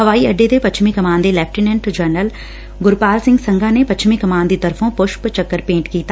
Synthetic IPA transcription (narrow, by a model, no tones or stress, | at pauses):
ɦəʋaːiəɖːed̪epət͡ʃʰmĩkəmaːnd̪elɛːpʰʈinɛ̃ɳʈd͡ʒəɾnəl | ɡʊɾpaːlsɪ̃ŋɡsə̃ŋɡʱãːnepətːt͡ʃʰmĩkəmaːnd̪iːt̪əɾfʰõpʊʃpt͡ʃəkːəɾpẽːɳʈkiːt̪a